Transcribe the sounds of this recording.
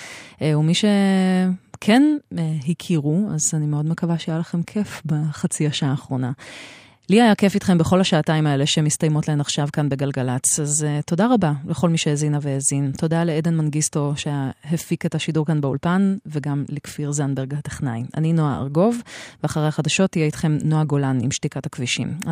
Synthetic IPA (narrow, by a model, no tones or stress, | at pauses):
eumiʃe̞ | kʰeneɦikʰiʁua̰zanimeo̞dmekavaʃeajalaχe̞mkʰe̞fbaχat͡siaʃaːχʁo̞na | liajakefit̪χe̞mbeχo̞lhaʃaːtaimae̞leʃemistajmotlae̞maχʃavkanbe̞ɡalɡalat͡sazto̞daʁabaleχo̞lmiʃeezinaveezinto̞daleedenmanɡisto̞ʃejaɦefiketaʃiduʁkanbeulpanveɡamlekfiʁzanbeʁɡate̥χnaja̰ninoa̰a̰ʁɡo̞vveaχaʁeaχadaʃo̞tːijeitχe̞mnoaɡo̞lanḭmʃtikathakviʃḭm